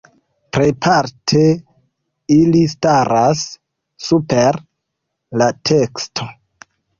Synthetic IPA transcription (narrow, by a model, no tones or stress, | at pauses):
pɾejpʰaɾtʰe | ilistaɾasː | upeɾ | latʰe̞kstʰo